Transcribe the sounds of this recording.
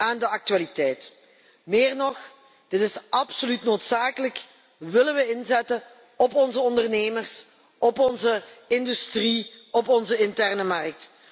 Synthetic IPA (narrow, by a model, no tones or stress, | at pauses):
aːndəɑk̚tyaːlitɛjt | mɪːrnɔx | d̥ɪtɪsɑpsolytnoːtsaːkələk | ʋɪlənʋəɪnzɛtə | ɔpɔnzəɔndərneːmərs | ɔpɔnzəɪndystriɔpɔnzəɪntɛrnəmɑrk̚t